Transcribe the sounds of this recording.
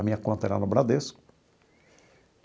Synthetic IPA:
amĩɲakwõnt̪aɛɾa̰nobɾad̪eskʊ̥

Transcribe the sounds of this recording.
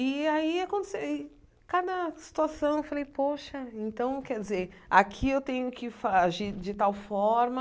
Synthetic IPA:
ɪaiakõt̪e̥sewɪ | kad̪ɐsi̥t̪uasɐ̃w̃ewfalejpoʃɐẽnt̪ɐ̃w̃kɛɾd͡ʒɪzeɾ | akʰiewt̪ẽɲʊkɪfaʒiɾd͡ʒɪt̪awfɔɾmɐ

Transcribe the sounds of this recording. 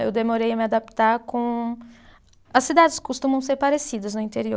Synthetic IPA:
ewd̪emoɾejɐmɪad̪apt̪aɾkõ | ɐsːid̪ad͡ʒɪskost̪ũmɐ̃w̃seɾpaɾesid̪ɐznʊĩnt̪eɾio

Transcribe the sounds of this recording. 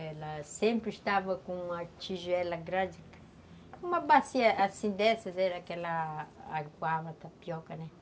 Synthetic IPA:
lasempɾist̪avakuŋat͡ʃiʒɛlaɡɾad͡ʒik | kumabasiaasind̪ɛsazɛɾakɛlaː | kwavat̪apjɔkanɛ

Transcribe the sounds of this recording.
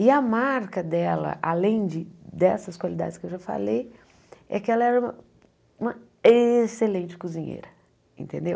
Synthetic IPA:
ɪɐmaɾkɐd̪ɛlɐ̰ʔalẽj̃d͡ʒɪd̪ɛsɐskwalid̪a̰d͡ʒɪskɪewʒafa̰lej | ɛ̰kɪɛlɐɛɾɐũmɐ | ũmɐ | eselẽt͡ʃɪ̥kuzĩɲḛjɾɐ | ḛ̃nt̪ẽnd̪ew

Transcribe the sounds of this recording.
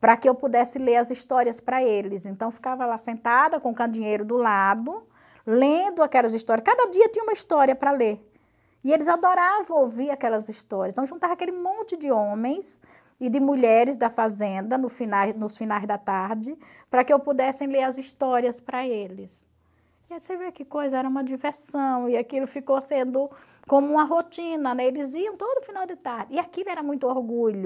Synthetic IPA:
pɾɐkɪewpud̪ɛsɪleɾɐzist̪ɔɾiɐspɾɐelɪzẽnt̪ɐ̃w̃fi̥kavɐlasẽnt̪ad̪ɐkõʊkɐ̃d͡ʒ̪ĩɲejɾʊd̪ʊlad̪ʊ | lẽd̪ʊakɛlɐziʃt̪ɔɾiɐskad̪ɐd͡ʒiɐt̪ĩɲɐumɐist̪ɔɾiɐpɾɐleɾ | ɪelɪzad̪ɔɾavɐ̃w̃owviɾakɛlɐzist̪ɔɾjɐst̪ɐ̃w̃ʒũt̪avɐakelɪmõnt͡ʃɪd͡ʒ̪ɪõmẽj̃s | ɪd̪ɪmuʎɛɾɪzd̪ɐfazẽnd̪ɐnʊfinajznʊsfinajzd̪ɐt̪aɾd͡ʒɪ | pɾɐkɪewpud̪ɛsẽj̃leɾɐzist̪ɔɾiɐspɾɐelɪs | iasejveɾkɪkojzɐɛɾɐũmɐd͡ʒiveɾsɐ̃w̃ɪakilʊfikosẽnd̪ʊ | kõmʊũmɐɦot͡ʃĩnɐnɛelɪziɐ̃w̃t̪od̪ʊːfinawd̪ɪt̪aɾdɪɪakilɛɾɐmũj̃t̪ʊoɾɡuʎʊ

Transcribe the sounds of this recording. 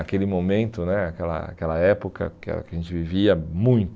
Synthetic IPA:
akelɪmomẽnt̪ʊnɛakɛlɐ̰a̰kɛlɐɛpokɐ̰kɪa̰kaʒẽnt͡ʃɪviviɐmũj̃t̪

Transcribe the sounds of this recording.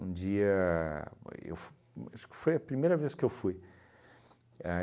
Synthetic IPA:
ṵ̃d͡ʒiɐ̰ | ḛw | aʃkfojɐpɾimejɾɐveskewfuj | a

